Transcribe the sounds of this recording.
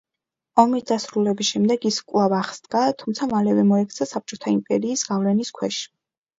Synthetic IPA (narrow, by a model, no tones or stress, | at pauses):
ɔmisd̪asɾulɛbisʃɛmd̪ɛɡiskʼwlˠavaχsd̪ɡat̪ʰumt̪sʰamalɛvɛmɔɛkʰt̪sʰasap̚t͡ʃʼɔt̪ʰaimpʼɛɾiːsɡavlɛniskʰwɛʃi̥